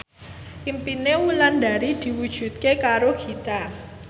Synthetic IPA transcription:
impinewulanda̤ɾid̪̥i̤wud̥ʒ̥ṳt̪̚kekaɾoɡ̥i̤t̪a

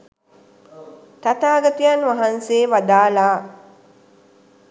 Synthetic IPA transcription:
t̪at̪aːɡɐt̪ijanʋaɦanseːʋad̪aːlaː

